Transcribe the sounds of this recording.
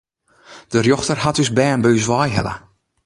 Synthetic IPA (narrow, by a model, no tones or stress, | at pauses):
d̥ərjɔxtərhatysbɛːənbøːsʋɔjɦɛ̰lə̰